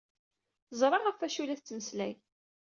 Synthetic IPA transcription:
zˤɾˤɑʁəfæʃulæθt͡sːnəslæ̰j

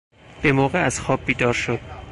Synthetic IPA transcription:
b̥e̞mɒːɣeæzxɒːb̚ːiːd̪ɒːɾʃo̞d̪̥

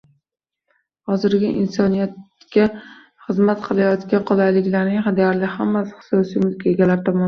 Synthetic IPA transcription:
hɒzɪɾɡʲɪʔɪnsɒnijat̪ | kʲa | χɨzmat̪qʰɨlˠajɒt̪kʲanqʰolˠajlɪkʲlaɾnɪŋhad̪ijaɾlɪhamːasɪ̥χɨ̥sɒsijmʊlkʰʲaeɡʲalaɾt̪ʰɒmɒn

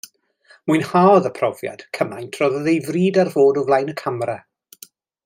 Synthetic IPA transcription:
muɨnhaːðəpʰrɔvja̰d̥kʰəmajntʰrɔðəðejvriːdarv̥oːdɔvlˠajnəkʰamra

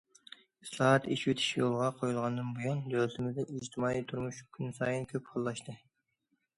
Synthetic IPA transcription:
islˠɑɦɑt̪iʃwet̪ʰi̥ʃjolˠʁɑqʰojulˠʁɑnd̪ɨnbujɑnd̪øt̪ʰɪmɪzd̪ɛid͡ʒt̪ʰɪmɑːit̪ʰuɾmuʃkʲʰynsɑːjinkʲʰøphɑlˠːɑʃt̪ɨ

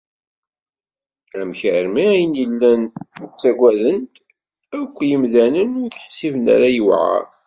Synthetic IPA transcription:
æmçəɾmiæjənjəlːænt͡sːæɡʷæðənt̪ | ækʷːjəmðænənʊɾθħsivənæ̰ɾæjəwʕa̰ɾ

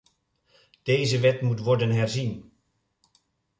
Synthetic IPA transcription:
d̥ejzəʋɛtmutʋɔɹdənɦɛɹzin

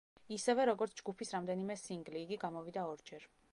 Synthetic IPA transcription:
isɛvɛɾɔɡɔɾt̪sʰd͡ʒɡupʰisɾamd̪ɛnimɛsiŋɡliːɡiɡamɔvid̪aɔɾd͡ʒɛɾ

